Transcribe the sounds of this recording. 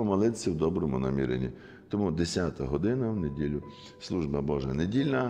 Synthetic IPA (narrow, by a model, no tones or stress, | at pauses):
ɔmɐlˠɪt̪sʲɐwd̪ɔbɾɔmʊnɐ̰mʲḭɾḛnʲḭ | t̪ɔmud̪esʲat̪ɐɦɔd̪ɪnɐwnedʲilʲʊ | slˠuʒbɐbɔʒɐnedʲilʲnɐ